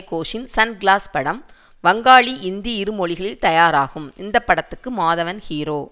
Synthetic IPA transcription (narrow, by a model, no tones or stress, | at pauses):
kːoːʂɪnsɐnɡɪɭaːspɐɽɐm | ʋɐŋɡaːɭiʔɪnd̪iɪɾɯmɔɭɪɣɐɭɪlt̪ɐjaːɾaːɣɯmɪnd̪ɐpːɐɽɐt̪ːɯkːɯmaːðɐʋɐnhiːɾoː